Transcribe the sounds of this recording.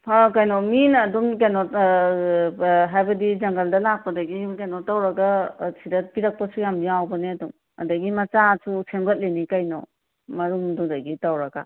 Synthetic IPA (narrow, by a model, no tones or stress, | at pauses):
hakajnominɐduŋkenɔt | ɦajbɐdid͡ʒɐŋɡɐldɐlak̚pɐdɐɡikenɔtawɾɐɡɐsidɐpiɾɐk̚pɐsujamdiawbɐneɐduŋ | ɐ̰dɐɡimɐt͡ʃasʰusemɡɐt̚lenikajnɔ̰ | mɐɾuŋdudɐɡitawɾɐɡa̰